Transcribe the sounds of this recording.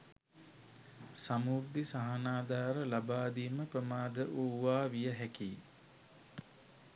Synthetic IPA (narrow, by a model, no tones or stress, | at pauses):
samuɾd̪isaɦanaːd̪aːɾəlabaːd̪iməpɾəmaːd̪əʔuːʋaːʋijəɦækiː